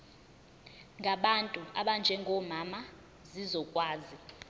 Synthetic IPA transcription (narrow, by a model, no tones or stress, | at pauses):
ŋɡʱaɓantʼuaɓand͡ʒʱɛŋɡʱɔmama | zizɔkʼwaːzi